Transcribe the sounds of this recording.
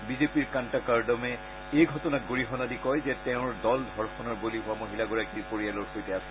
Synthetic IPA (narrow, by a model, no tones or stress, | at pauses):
bizepiɹkantakaɹdɔmɛ | ejɡʱɔtɔnaɡoɹixɔnadikɔjzɛtɛʊ̃ɹdɔldʱɔɹxʰɔnɔɹboliɦʊwamoɦilaɡɔɹakiɹpoɹijalɔɹxojtɛasɛ